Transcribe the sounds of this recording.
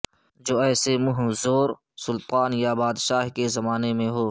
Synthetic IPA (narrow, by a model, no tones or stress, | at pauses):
d͡ʒoːɛːsemʊɦzoːɾ | sʊlt̪aːnjabaːd̪ʃaːɦkezɐmaːnemẽɦoː